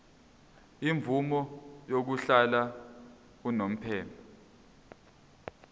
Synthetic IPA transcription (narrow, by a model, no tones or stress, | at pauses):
iɱvumɔjok̬uɬala | k̬unom̩pʰɛːmpʰa